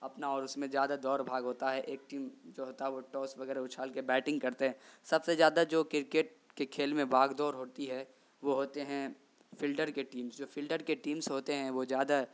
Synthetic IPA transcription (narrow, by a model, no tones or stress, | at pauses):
ɐpnaɔːɾʊsmẽzjaːd̪ad̪ɔːɾbʱaːɡɦoːt̪aɦɛʔeːk̚ʈiːmd͡ʒoːɦoːt̪aɦɛʋoʈɔːsʋɐɡɛːɾeʊt͡ʃʰaːlkebɛːʈɪ̃ŋɡkɐɾt̪eɦɛ̃ːsɐbsezjaːd̪ad͡ʒoːkɪɾkeːʈ̚kekʰeːlmẽbʱaːɡd̪ɔːɾɦoːt̪iɦɛ | ʋoɦoːt̪eɦɛ̃ | fʰɪlɖəɾkeʈiːmsd͡ʒoːfʰɪlɖəɾkeʈiːmsɦoːt̪eɦɛ̃ʋozjaːd̪a